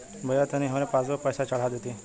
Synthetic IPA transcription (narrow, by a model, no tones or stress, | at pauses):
bʱəjat̪jañiɦaʋɾẽpat͡sʋəpəjsat͡ɕaɽ̤ad̪et̪e